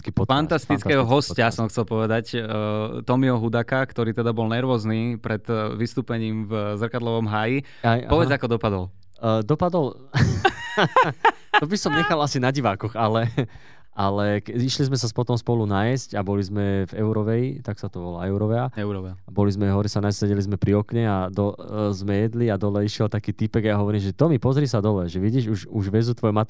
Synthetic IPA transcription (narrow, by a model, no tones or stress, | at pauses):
kipfant̪ast̪it͡sɛːɦɔɦɔscasɔmxt͡sɛlpɔʋɛd̪ac | t̪ɔmiɔɦud̪aːkakt̪ɔɾiːt̪ɛd̪abɔlnɛɾʋɔːzniːpɾɛt̪ʋist̪uːpɛɲiːmvzrkad̪lɔʋɔmɦaːji | ajpɔʋɛd͡zakɔd̪ɔpad̪ɔl | d̪ɔpad̪ɔl | ɔbisɔmɲɛxalasinaɟiʋaːkɔɣalɛ | ʔalɛkɛiʃlizmɛsaspɔt̪ɔmspɔlunajscabɔlizmɛvɛʊɾɔʋɛjt̪aksat̪ɔʋɔlaɛʊɾɔʋɛaɛɾabɔlizmɛɦɔɾisanassɛɟɛlizmɛpɾiɔkɲɛad̪ɔzmɛjɛd̪liad̪ɔlɛiʃɪɛlt̪akiːt̪ipɛɡajaɦɔʋɔɾimʒɛt̪ɔmipɔzɾiːsad̪ɔlɛʒɛʋiɟiːʒuʃuʒʋɛzut̪ʋɔjmat̪